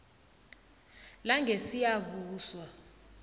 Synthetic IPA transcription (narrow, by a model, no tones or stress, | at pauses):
laŋɡʱesijaβuːswa